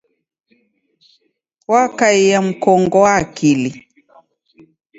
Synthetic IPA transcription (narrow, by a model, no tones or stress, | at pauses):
wakaijam̩kɔŋɡɔwaːkili